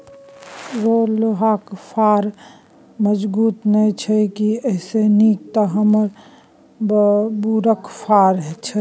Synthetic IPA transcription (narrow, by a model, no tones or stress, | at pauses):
ɾoloɦaːkpʰaːɾ | məd͡ʒbuːt̪nəĩt͡ʃʰɛkiɛːsenik̚t̪əɦəməɾ | buɾəkpʰaːɾɦɛt͡ʃʰɛ